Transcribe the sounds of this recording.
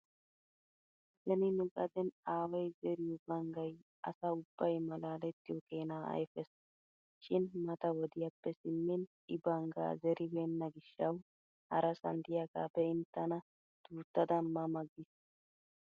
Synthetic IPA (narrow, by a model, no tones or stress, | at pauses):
sɛnɪnʊkʼɐd̪ɛnaːwɐjzɛɾɪjʊbɐŋɡɐj | ɐ̰sɐʊb̥ːɐjmɐlaːlɛt̪ːɪjɔkeːnaːɐ̰jfɛs | ʃɪnmɐt̪ɐwɔd̪ɪjapːɛsɪmːɪn | ɪbɐŋɡa̰ːzɛɾʔɪbeːnːɐɡɪʃːɐw | hɐɾɐsɐnd̪ɪjaɡa̰ːpːɛɪnt̪ːɐnɐ | d̪̥uːt̪ːɐd̪ɐnmɐmɐɡːɪs